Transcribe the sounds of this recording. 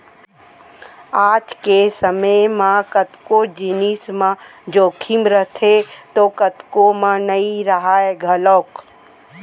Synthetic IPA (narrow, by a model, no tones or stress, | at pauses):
aːt̪kesəməjmãkət̪kod͡ʒɪnismãd͡ʒoːkʰimɾət̪ʰet̪okət̪komãnɐĩɾɐɦaːeɡʱəlɔːk